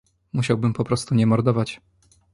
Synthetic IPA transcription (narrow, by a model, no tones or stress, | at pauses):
muɕawbɘmpɔpɾɔst̪uɲɛmɔɾd̪ɔvat͡ɕ